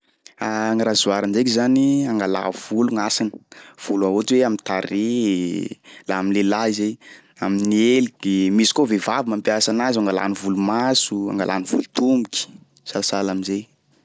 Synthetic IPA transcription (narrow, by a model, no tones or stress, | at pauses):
aŋiɾazuaɾanzek̬izaniaŋɡala̰v̥uluŋasinə̥v̥uluaɦotweamint̪aɾe | laaminlelaizej | aminielid̪emisi̥kovevavimampjasanazaŋɡala̰nivulumasua̰ŋɡa̰lʔa̰niv̥ṵlut̪umiki̥ | salasalaminzej